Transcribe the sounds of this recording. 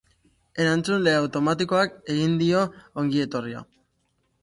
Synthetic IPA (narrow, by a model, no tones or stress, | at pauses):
e̞ɾant͡sunle̞awt̪o̞mat̪iko̞ake̞ɣind̪io̞oŋɡie̞t̪o̞ria̰